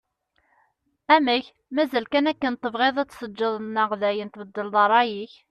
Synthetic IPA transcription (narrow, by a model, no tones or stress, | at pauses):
æməç | mæzælkænækːənt̪ˤːəvʁeðˤæt͡sːsəd͡ʒːəðˤnːəʁðæjənt̪bəd̪ːəlðˤɑɾˤːɑjiç